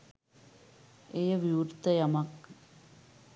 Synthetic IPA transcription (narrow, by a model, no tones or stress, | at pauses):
ejɐʋuːrt̪ɐjɐmɐk